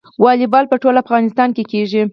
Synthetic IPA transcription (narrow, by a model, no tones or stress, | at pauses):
wɑlɪbɑlpəʈolafɣɑnɪst̪ɑnkekeʒi